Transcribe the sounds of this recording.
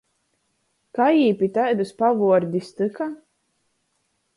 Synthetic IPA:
kajiːpʲit̪ajd̪ɨspavuɔɾd̪ʲist̪ɨka

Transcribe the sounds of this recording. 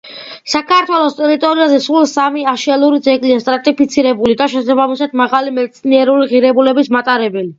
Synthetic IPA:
sakʰaɾt̪ʰwɛlˠɔst̪ʼɛɾit̪ʼɔɾiazɛsulˠsamiaʃiɛlˠuɾid̪zɛɡʼliast̪ʼɾat̪ʼipʰit̪sʰiɾɛbulid̪aʃɛsabamisad̪maʁalimɛt̪sʰniɛɾuliʁiɾɛbulɛbismat̪ʼaɾɛbɛli

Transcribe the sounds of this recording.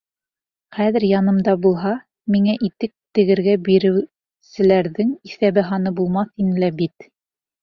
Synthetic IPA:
χæðɘ̆ɾjɑnɤ̆md̪ɑbulˠɦɑ | miŋæʔit̪ɘk̚t̪ɘ̆ɡɘ̆ɾɡæbiɾɘ̆w | sɘ̆læɾðɘŋiθæβɘɦɑnɤbulˠmɑθinlæbit̪

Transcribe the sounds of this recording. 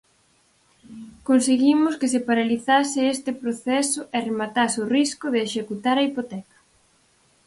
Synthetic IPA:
konseɣimʊskɪs̬epaɾaliθasɪest̪ɪpɾoθɛsʊʔeremat̪asoriskʊðeːʃekut̪aɾɐipot̪ɛkɐ̥

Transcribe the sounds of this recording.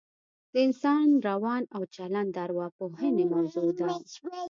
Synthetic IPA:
d̪̥əɪnsɑnɾawɑnawt͡ʃaland̪aɾwɑpohənemawzod̪a

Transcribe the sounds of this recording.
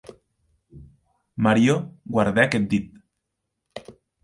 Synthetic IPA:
maɾjoɣwaɾðeaket̪̚d̪it̪̚

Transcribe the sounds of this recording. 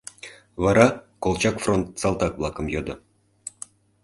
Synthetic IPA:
vɑɾɑkolˠt͡ɕɑkfront̪̚sɑlˠt̪ɑkvlˠɑkə̆mjod̪ɤ̆

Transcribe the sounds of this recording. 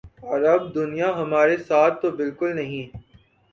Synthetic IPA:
ɔːɾɐb̚d̪ʊnijaɦɐmaːɾesaːt̪̚ʰːobɪlkʊlnɐɦĩː

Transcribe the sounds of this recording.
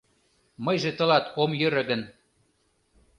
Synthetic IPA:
mɤjʒĕt̪ɤ̆lɑt̪ʰomjøɾə̆ɣə̆n

